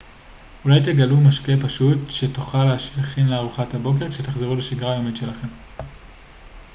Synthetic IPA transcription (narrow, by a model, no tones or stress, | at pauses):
ulajt̬e̞ɡalumaʃke̞paʃutʃetuχaleaʃliχinleaʁuχathabo̞k̬e̞ʁkʃetaχzeʁuleʃiɡʁajomitʃe̞laχe̞m